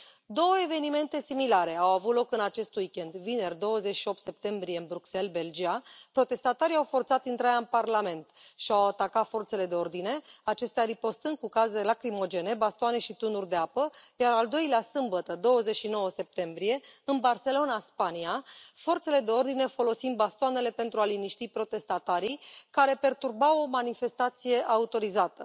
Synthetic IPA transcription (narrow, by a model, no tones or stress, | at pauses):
d̪o̞wəe̞ve̞nime̞nt̪e̞similaɾe̞awavut̪lo̞kɨnat͡ʃe̞st̪uikʲend̪vine̞rd̪o̞wəzet͡ʃʃio̞p̚t̪se̞p̚t̪e̞mbɾije̞ɨnbɾukse̞lbe̞ld͡ʒiapɾo̞t̪e̞st̪at̪aɾiawfo̞rt̪sat̪int̪ɾajaɨnparlame̞nt̪ʃiawat̪akat̪fo̞rt̪se̞le̞d̪e̞o̞rd̪ine̞at͡ʃe̞st̪eaɾipo̞st̪ɨnd̪̚kukazeelakɾimo̞d͡ʒe̞ne̞bast̪oane̞ʃit̪unurʲd̪e̞apəjaɾald̪o̞jleasɨmbət̪əd̪o̞wəze̞t͡ʃʃino̞wəse̞p̚t̪e̞mbɾije̞ɨnbarse̞lo̞naspaniafo̞rt̪se̞le̞d̪e̞o̞rd̪ine̞fo̞lo̞sind̪̚bast̪oane̞le̞pe̞nt̪ɾualiniʃt̪ipɾo̞t̪e̞st̪at̪aɾijkaɾe̞pe̞rt̪urbawo̞manife̞st̪at̪sije̞ʔaut̪o̞ɾizat̪ə